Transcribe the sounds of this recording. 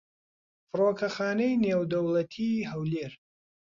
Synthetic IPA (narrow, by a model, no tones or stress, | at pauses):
fɨroːkʰɐxaːnɐjneːwd̪ɐwlɐt̪ʰiːɦɐwleːɾ